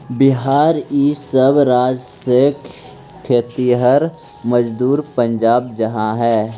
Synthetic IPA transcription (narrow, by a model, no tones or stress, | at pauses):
bɪɦaːɾisəbɾaːd͡ʒsek | kʰːet̪iɦəɾ | məd͡ʒd̪uːɾpə̃ɲd͡ʒaːbd͡ʒɐɦãɦɛː